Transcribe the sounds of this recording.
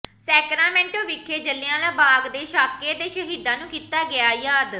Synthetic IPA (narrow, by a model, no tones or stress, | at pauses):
sɛːkɾaːmɛ̃ːɳʈõːʋɪkʰːeːd͡ʒəlːɪãːlaːbaːɡd̪eːʃaːkeːd̪eːʃəɦiːd̪ãːnũːkiːt̪aːɡɪjaːjaːd̪